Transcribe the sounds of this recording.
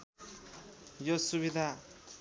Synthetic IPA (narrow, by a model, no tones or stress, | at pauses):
josuβid̪ʱa